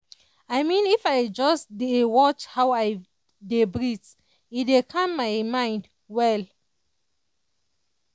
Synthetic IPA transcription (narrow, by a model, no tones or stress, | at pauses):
ajmĩnifajd͡ʒɔsdewɔt͡ʃhawaj | debɹit | idekʰãmːaɪmãj̃nd | wɛl